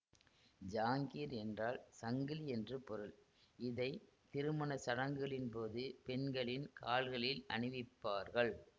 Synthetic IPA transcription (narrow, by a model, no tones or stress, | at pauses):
d͡ʒaːŋɡiːɾɛndraːlsɐŋɡɪliɛndrɯpɔɾɯɭ | ɪðɐɪ | t̪ɪɾɯmɐnɐsɐɽɐŋɡɯɐɭɪnpoːðɯpɛnɡɐɭɪnkaːɭɣɐɭɪlɐ̰ɳɯʋɪpːaːɾɣɐɭ